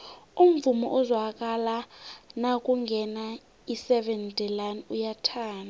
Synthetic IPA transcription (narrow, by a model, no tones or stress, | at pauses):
um̩vumɔʔuzwak̬ʼalanak̬ʼuŋɡʱɛna | isɛɓɛntʼɛlanujatʰaːna